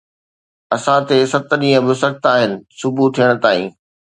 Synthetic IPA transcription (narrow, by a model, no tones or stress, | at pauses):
ɐsãt̪esɐt̪ɗĩːə̃bɪsɐk̚t̪aːɦɪnɪ̆sʊbʱut̪ʰijəɽ̃̆t̪aːḭ̃ː